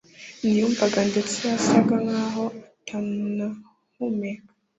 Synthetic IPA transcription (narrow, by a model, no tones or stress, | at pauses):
nijumbaɡandet͡siasaɡaŋaɦoatʰamna | hume